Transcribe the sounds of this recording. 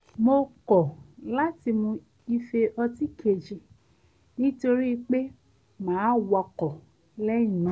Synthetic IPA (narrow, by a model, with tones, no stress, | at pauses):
mo˧kɔ˨la˦ti˧mũ˧ | i˧fe˧ʔɔ˧ti˦kʰe˨d͡ʒi˨˧˨ | nĩ˦to˧ɾi˦˧k͡pe˦ | mãː˨˦wɔ˧kɔ˨ | lɛ˦ĩ˦˨nũ˨˦